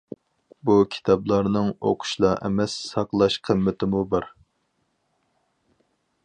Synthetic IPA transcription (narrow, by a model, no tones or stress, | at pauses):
bukʲʰi̥t̪ʰɑblˠɑɾnɨŋo̰qʰʊ̥ʃlˠɑʔɛ̰mɛsːɑqlˠɑʃqʰəmːɪt̪ʰɪmubɑɾ